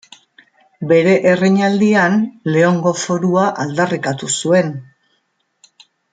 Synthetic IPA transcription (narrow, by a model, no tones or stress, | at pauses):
be̞ɾe̞ʔereɲald̪ianle̞oŋɡo̞fo̞ɾuaʔald̪arikat̪usue̞n